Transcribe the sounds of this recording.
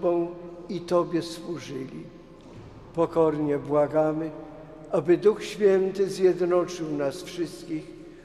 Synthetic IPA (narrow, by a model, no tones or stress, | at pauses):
bɔ̃w̃it̪ɔbʲjɛswuʐɘlʲḭ | pɔkɔɾɲɛbwaɡamɘ | abɘd̪uxɕfʲjɛnt̪ɘzʲjɛd̪nɔt͡ʂɘwnasfʂɘst̪̚kʲix